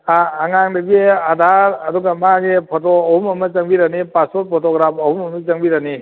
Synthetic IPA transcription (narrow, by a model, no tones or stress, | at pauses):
aːŋaŋdɐɡiadʱaɾɐduɡamaɡepʰotoːhumɐmɐt͡ʃɐŋbiɾanipaspɔt̚pʰotoɡɾapʰɐhumɐmat͡ʃɐŋbiɾani